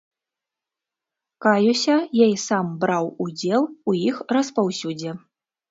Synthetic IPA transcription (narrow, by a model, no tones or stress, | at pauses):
kajusʲɐjajisambɾawud͡zʲɛlˠujixrɐspawsʲud͡zʲɛ